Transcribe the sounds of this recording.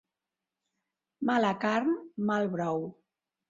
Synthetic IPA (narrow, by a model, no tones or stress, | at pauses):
malakaɾnmalˠβɾɔw